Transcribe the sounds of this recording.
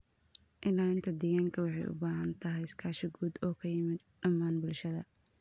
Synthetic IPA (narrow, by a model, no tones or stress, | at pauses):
ʔɪlaːɪnt̪ʰɐd̪ɪɣaːŋkʰɐwɑħɑjʔʊ̰baːɦɐnt̪ʰɐɦɛjskʰaːʃɪɡuːd̪ɔːkʰɐjɪmɪd̪̚ɖɐmːaːnbʊlʃɐðɐ